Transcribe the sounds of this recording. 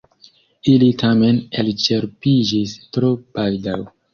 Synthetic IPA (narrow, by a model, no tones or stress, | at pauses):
ilitʰame̞nelt͡ʃe̞ɾpid͡ʒistɾobaldaw